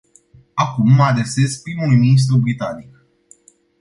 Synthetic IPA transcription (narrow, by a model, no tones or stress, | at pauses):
akumːəad̪ɾe̞se̞spɾimulujminis̬t̪ɾubɾit̪anik